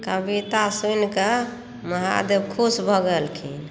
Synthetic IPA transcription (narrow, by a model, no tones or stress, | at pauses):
kəbit̪asunke | məɦa̰d̪ebkʰusbʱəɡəlkʰḭn